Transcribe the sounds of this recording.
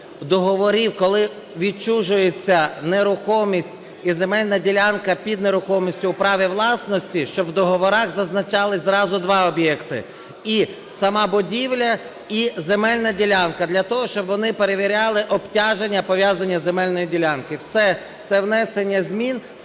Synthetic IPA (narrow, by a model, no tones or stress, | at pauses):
d̪ɔɦɔʋɔɾʲiwkɔlˠɪ | ʋʲidt͡ʃuʒʊjet͡sʲːɐneɾʊxɔmʲisʲtʲ | ize̞mɛlʲnɐdʲilʲankɐpʲid̪neɾʊxɔmʲisʲtʲʊwpɾɑʋʲiwlˠɑsnɔsʲtʲiʃt͡ʃɔbwd̪ɔɦɔʋɔɾɑɣzɐznɐt͡ʃɑlˠɪzɾɑzʊd̪ʋɑɔbjɛkt̪ɪ̰ | i | sɐmɑbʊdʲiwlʲɐ | izemɛlʲnɐdʲilʲankɐd̪lʲɐt̪ɔɦɔʃt͡ʃɔbʋɔnɪpeɾeʋʲiɾʲɑlˠɪʔɔbtʲɑʒenʲːɐpɔʋʲjazɐnʲːɐzemɛlʲnɔjidʲilʲankɪwsɛ | t̪sɛwnɛsenʲːɐzʲmʲin